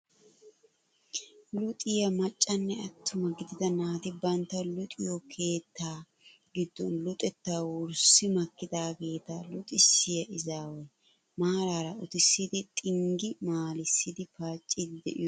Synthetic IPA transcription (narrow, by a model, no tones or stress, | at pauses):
lʊt̪ʼɪjɐmɐt͡ʃʼːɐnːɛɐt̪ʰːʊmɐɡɪd̪ɪd̪ɐnaːt̪ɪbɐnt̪ːɐlʊt̪ʼɪjɔkʰe̞ːt̪ːaː | ɡɪd̪ːɔnlʊt̪ʼɛt̪ːaːwʊɾsɪmɐkːɪd̪aːɡe̞ːt̪ɐlʊt̪ʼɪsːɪjɐʔɪzaːwɔj | maːɾaːɾɐʊt̪ɪsːɪd̪ɪt̪ʼɪŋɡɪmaːlɪsːɪd̪ɪfaːt͡ʃʼːɪd̪ɛ̰ʔɪ̰jɔ